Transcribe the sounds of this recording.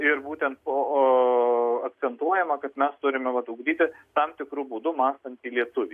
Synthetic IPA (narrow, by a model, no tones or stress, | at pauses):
ɪrbuːt̪ʲɛnt̪̚po | ɐk̪̚sʲɛnt̪uɔjɛmɐkɐt̪mʲɛst̪ʊɾʲɪmʲɛʋɐt̪uɡd̪ʲiːt̪ʲɪt̪ɐmt̪ʲɪkɾubuːd̪ʊmɑːst̪ɐnʲt̪ʲiːlʲiɛt̪ʊʋʲiː